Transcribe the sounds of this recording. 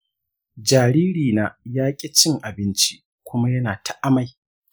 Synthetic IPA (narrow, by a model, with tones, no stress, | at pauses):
d͡ʒaː˨ɾiː˦ɾiː˨naː˦jaː˦kʲʼɪ˦t͡ʃɪ˦ŋʔa˨bɪ˦nt͡ʃi˦ | kʷʊ˦ma˦jɐ˦naː˨tʰa˨ʔa˦ma˨j